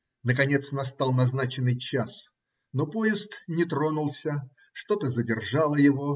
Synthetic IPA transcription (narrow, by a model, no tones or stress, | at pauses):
nəkɐnʲe̞t̪snɐst̪ɑlˠnɐznat͡ɕɪnːɨjt͡ɕas | nopojɪsk̪nʲɪt̪ɾo̞nʊlˠsʲə | ʂt̪o̞t̪əzədʲɪrʐalˠəjɪvo